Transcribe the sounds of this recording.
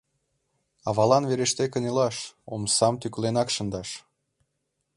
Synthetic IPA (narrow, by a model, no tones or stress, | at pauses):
ɑβɑlɑnveɾeʃt̪ekə̆nilɑʃo̰msɑmt̪yklenɑkʃə̆nd̪ɑʃ